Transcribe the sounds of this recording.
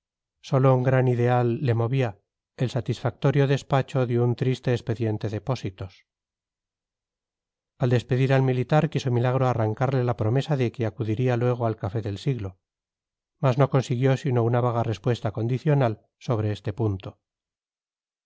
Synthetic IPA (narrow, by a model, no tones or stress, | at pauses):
so̞lo̞uŋɡɾaniðe̞alːe̞mo̞βia | elsat̪isfak̚t̪o̞ɾjo̞ðe̞spat͡ʃo̞ðeunt̪ɾist̪e̞ːspe̞ðje̞nt̪e̞ðepo̞sit̪os | ald̪e̞spe̞ðiɾalmilit̪aɾkisomilaɣ̞ɾoaraŋkaɾle̞lapɾo̞me̞saðe̞keakuðiɾialwe̞ɣ̞oalkafe̞ðe̞lsiɣlo̞ | mazno̞ko̞nsiɣ̞jo̞sino̞unaβaɣ̞are̞spwe̞st̪ako̞nd̪iθjo̞nal | so̞β̞ɾeest̪e̞punt̪o̞